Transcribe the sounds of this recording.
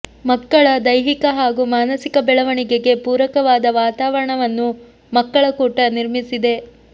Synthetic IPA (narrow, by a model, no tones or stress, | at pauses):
mɐkːɐɭɐd̪ɐjɦikɐɦaːɡumaːnɐsikɐbɛɭɐʋɐɳiɡe̞ɡe̞puːɾɐkɐʋaːd̪ɐʋaːt̪aːʋɐɾɐɳɐʋɐnːu | mɐkːɐɭɐkuːʈɐniɾmisid̪e̞